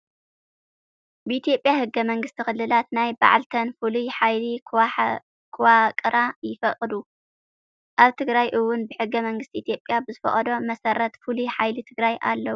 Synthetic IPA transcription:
bɨit̪ʰijo̞pʼːjahɨɡːɐmɐŋɡɨst̪ʰixɨlːɨlat̪najba̰ʕalt̪ʰɐnfɨlujħajli | kʰwakʼɨɾajɪfɐkʼd̪u | ʔaβt̪ʰɨɡɾajʔɨwːʊnbɨħɨɡːɐmɐŋɡɨst̪iʔit̪ʰijo̞pʼːjabɨzɨfɐ̰χʼɐd̪o̞mɐsɐɾɐt̪fɨlujħajlɨt̪ʰɨɡɾajʔa̰lːɐwu

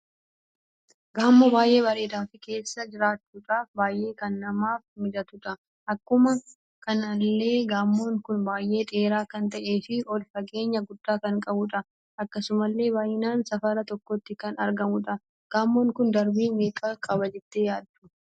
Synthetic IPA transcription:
ɡaːmːɔbaːjʔe̞ːbɐɾe̞ːd̪aːfɪke̞ːsːɐd͡ʒɪɾaːt͡ʃːuːᶑaːfbaːjʔe̞ːkɐnːɐmaːfmɪd̪ɐt̪ʊᶑɐ | ʔɐkːʊmɐ | kɐnɐlːe̞ːɡaːmːo̞ːŋkʊnbaːjʔe̞ːᶑ̪e̞ːɾaːkɐnt̪ɐʔe̞ːfɪɔlfɐɡe̞ːɲːɐɡʊd̪ːaːkɐŋkʼɐbʊᶑɐ | ʔɐkːɐsʊmɐlːe̞ːbaːjɪnaːnsɐfɐɾɐt̪ɔkːɔt̪ːɪkɐnɐɾɡɐmʊᶑɐ | ɡ̥aːmːo̞ːŋkʊnd̪ɐɾbiːmeːkʼɐkʼɐbɐd͡ʒɛt̪ːeːjaːd̪ːʊ̥

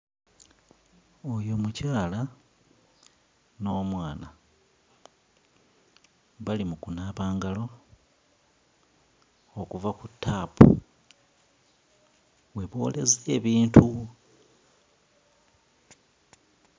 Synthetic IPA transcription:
ojo̞mucaːla | no̞ːmwaːna | βalimukunaːβaːŋɡalo̞ | okuvakutʰːapṵ | we̞βo̞̰ːle̞zeeβiːntʰu

